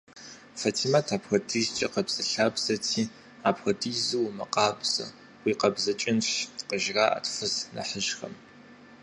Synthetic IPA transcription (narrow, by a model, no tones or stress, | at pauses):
fɐtʰimatʰaːpxɐdʰizt͡ʃʼɐqɐbz̥ɐɬaːbz̥ɐtʰiː | aːpxɐtiːzuwmɐqɑːbz̥ɐ̰ | wiːqɐbzɐt͡ʃʼɪnɕqəʒraːʔɐ̰tʰfɨznɐ̰ħəʒxɐ̰m